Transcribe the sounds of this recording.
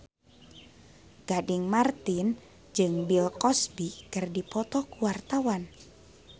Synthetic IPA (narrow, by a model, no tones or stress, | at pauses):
ɡ̥adɪŋmart̪in | d͡ʒɨŋbilkɔsbikɨrdipɔt̪ɔkuwart̪awan